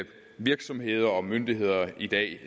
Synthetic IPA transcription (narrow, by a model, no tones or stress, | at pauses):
b̥ | ʋiɐɡ̥sɒ̽mɦe̝ðˠɐɒ̽mønd̥iɦe̝ð̞̰ˠɐʔid̥ɛ̰ː